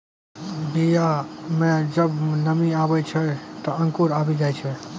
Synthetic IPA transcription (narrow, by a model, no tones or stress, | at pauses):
bijamẽd͡ʒəbnəmiabɛt͡ʃʰɛt̪ɔəŋkuɾabid͡ʒajt͡ʃʰɛ